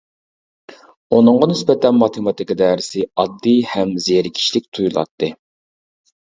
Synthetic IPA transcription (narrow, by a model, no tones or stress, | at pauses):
unɨŋʁɑnɪsbɛt̪ʰɛnmɑt̪ʰemɑt̪ʰɪkɑd̪ɛːɾɪsɪɑd̪ːihɛmzeɾkʲʰi̥ʃlɪk̚ʲt̪ʰujulˠɑ̰t̪ʰːɨ